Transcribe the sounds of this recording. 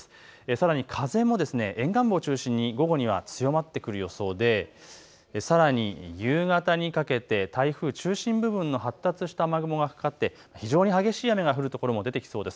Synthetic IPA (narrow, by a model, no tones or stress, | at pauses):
esaɾaɲ̟ikʰaze̞mːo̞d̪e̞sɨne̞ʔẽ̞ŋɡãmbo̞ːt͡ɕɨːɕĩɲ̟ːiɡo̞ɡo̞ɲ̟iβ̞a̰t͡sɨjo̞mat̪ːe̞kɯ̟ɾɯjo̞so̞ːd̪e̞ | saɾaɲ̟ijɯːɡat̪aɲ̟ikake̞t̪e̞t̪aiɸɯ̟ːt͡ɕɨːɕĩmbɯ̟bɯ̟̃nːo̞ɦat̪ːat͡sɨɕi̥t̪amaɡɯ̟mo̞ɡaɸɯ̟̥kat̪ːe̞maçiʑo̞ːɲ̟ihaɡe̞ɕiːjame̞ɡaɸɯ̟ɾɯ̟t̪o̞ko̞ɾo̞mo̞d̪e̞t̪e̞kʲi̥so̞ːd̪e̞sɨ̥